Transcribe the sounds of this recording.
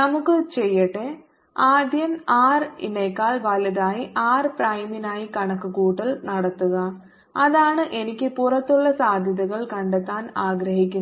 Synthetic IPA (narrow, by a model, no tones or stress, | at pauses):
nɐmukːɨt͡ɕejːɐʈːe | aːd̪jɐmaːrḭnɐjkːaːɭʋɐlɐðaːjiʔaːrpɾɐjminaːjikɐɳɐkːɯkuːʈːɐlnɐɽɐt̪ːuɣɐ | ɐðaːɳɨʔenikʲːɨpurɐt̪ːuɭːɐsaːd̪ʱjɐðɐɣɐɭkɐɳɖet̪ːaːnaːɡɾɐɦikʲːun